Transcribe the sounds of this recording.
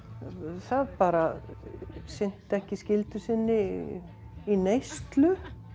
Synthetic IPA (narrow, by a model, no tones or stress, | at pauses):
θaðpaːɾa | sɪn̥t̪ɛhcɪscɪlt̪ʏsɪnːɪ | inejst̪lʏ